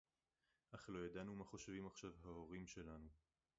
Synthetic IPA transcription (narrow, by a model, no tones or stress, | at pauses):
ʔaχlo̞jad̪anumaχo̞ʃvimaχʃavɦao̞ʁimʃe̞lanu